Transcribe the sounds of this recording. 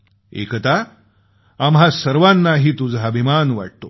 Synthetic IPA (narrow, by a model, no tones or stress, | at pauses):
ḛkt̪a | amɦasəɾʋanːaɦiːt̪ud͡zʱabʱimanʋa̰ʈ̚t̪o